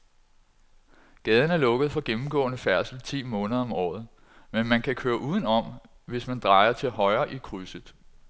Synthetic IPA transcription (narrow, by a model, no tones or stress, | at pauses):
ɡ̥ɛːð̞ˠn̩æɐlɔ̽ɡ̥əð̩ˠfɒ̽ɡ̥emm̩ɡ̥ɔ̰̽ːnəfæɐsl̩ˠt͡sʰḭːmɔ̽ːnəðˠɐɒ̽mɒ̰ːð̩ˠ | menmænkʰækʰøːɐʔuːðˠən̩ɒ̽m | ʋe̝smænd̥ʁɑ̈ɪɐt͡sʰe̝lɦɒ̽ɪɐːʔikʰʁysəð̩ˠ